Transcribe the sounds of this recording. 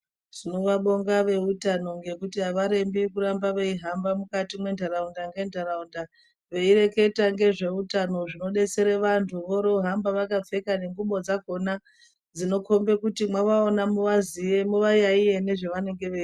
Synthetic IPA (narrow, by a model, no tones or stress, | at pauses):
ʐ̥ino̞ʋaɓo̞ŋɡaʋe̞utano̞ŋɡe̞kutiɦaʋaɾe̞mbikuɾambaʋe̞iɦambamukatimwentʰaɾaundaŋɡe̞ndʱaraunda | ʋe̞ire̞ke̞taŋɡe̞ʐe̞utano̞ʐino̞ɗe̞t͡se̞ɾeʋantʰuʋoɾo̞ɦambaʋakap͡fe̞kane̞ŋɡuɓo̞d͡zako̞na | d͡zino̞ko̞mbe̞kutimwaʋaonamuʋazijemuʋajaije̞ne̞ʐeʋane̞ŋɡe̞ʋei